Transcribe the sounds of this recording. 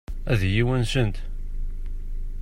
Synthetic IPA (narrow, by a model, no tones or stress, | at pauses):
æðjiwænsənt̪